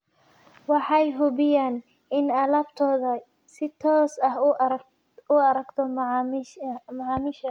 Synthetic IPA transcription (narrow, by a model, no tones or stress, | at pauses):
wɑħɑjɦʊbɪjaːn | ɪnɐlɐbt̪ʰɔːðɐ | sɪt̪ʰɔːsɐɦ | ʊɐɾɐɡt̪ʰɔm | mɐʕɑːmɪʃɐ